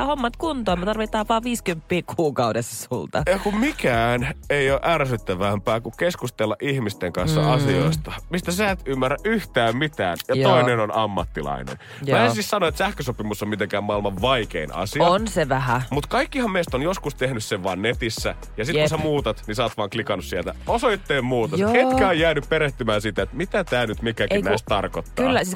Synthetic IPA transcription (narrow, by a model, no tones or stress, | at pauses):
homːɑt̪kunt̪oːmet̪ɑrʋit̪ɑːʋʋɑːʋiːskympːiːkʰuːkɑudesɑ̥sult̪ɑjɑkummikæːneioːʔærsyt̪ːæʋæmpæːkukkeskust̪elːɑʔihmist̪eŋkɑnsːɑ̰ɑsio̰ist̪ɑmist̪æsæet̪ymːærːæʔʔyht̪æːmmit̪æ̰ːnjɑt̪oinenonɑmːɑ̰t̪ːilɑ̰inḛn | mæːesissɑnoet̪sæhkøsopimusːommit̪eŋkæːmmɑilmɑʋʋɑikeinɑ̰sinseʋæɦæmut̪kɑikːihɑmmeist̪onjoskust̪ehnysseʋʋɑːnnet̪isːæ | jɑsitkkusæmuːt̪ɑt̪nisɑːt̪ʋɑːŋklikɑnːussielt̪æ̰osoit̪ːeːmmuːt̪ɑhet̪kæojjæːnyppeɾeht̪ymæːnsit̪æet̪mit̪æt̪æːnyt̪mikækinæist̪t̪ɑrkot̪ːɑːsis